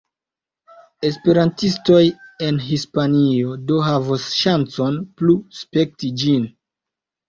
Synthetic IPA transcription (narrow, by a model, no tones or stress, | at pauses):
e̞spe̞ɾantisto̞je̞nɦispanio̞do̞ɦavosʃant͡so̞npluspe̞k̚tid͡ʒin